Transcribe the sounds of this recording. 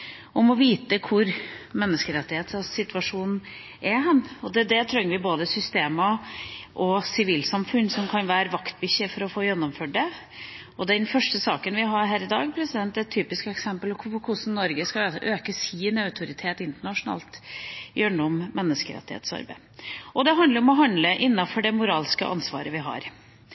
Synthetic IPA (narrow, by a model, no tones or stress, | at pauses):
ɔmɔʋiːt̪əkʰʊɾmɛnːəskəɾɛt̪ːɪheːt̪ssɪt̪ʋɑʂuːnn̩ | ʔɛɦɛnːɔd̪ɛd̪ɛt̪ʰɾœŋəʋɪboːd̪əsʏst̪eːmɑʔɔsɪʋiːlsɑmfʉnsɔmkʰɑnʋæːɾəʋɑkt̪̚bʏçːəfɔɾɔfoːjɛnːɔmføːɖ̚ɖɛ | ɔd̪ɛnfœʂʈəsɑːkənʋɪɦɑɾɦæːɾɪd̪ɑːɡpʰɾɛsɪd̪ɛnt̪ɛt̪t̪ʰːyːpɪskɛksɛmpəlɔkʰpɔkʰʊsn̩nɔɾɡəskɑøːkəsiːnɛœʉt̪ʰʊɾɪt̪ʰeːt̪ɪnt̪əɳɑʂʊnɑ̰ːlt̪jøːɳuɔmmɛnːəskəɾɛ̰t̪ːɪhḛːt̪sɑ̰ɾbæ̰ɪʔɔd̪ɛɦɑnd̪əɾɔmɔɦɑnd̪ləʔɪnːɑfɔɖɛmʊɾɑːlskə̰ʔɑ̰nsʋɑ̰ːɾəʋɪɦɑ̰ɾ